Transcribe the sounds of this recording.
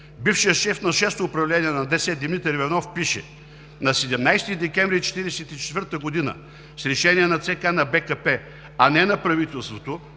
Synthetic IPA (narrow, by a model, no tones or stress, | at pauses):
bifʃijəʃɛfnɐʃɛst̪oːpɾɐvlɛniɛnɐd̪ɛsɛd̪imnit̪ɛɾvɛnɔfpiʃɛ̰ | nɐsɛd̪ɛmnajst̪id̪ɛkʲɛ̃mvɾit͡ʃɛ̥t̪iɾɛsɛt̪it͡ʃɛ̥t̪vəɾt̪əɡod̪inə̰ | sɾɛʃɛniɛnɐt̪sɛkanɐbɛkɐpɛ | ɐnɛnɐpɾɐvit̪ɛlˠst̪vot̪o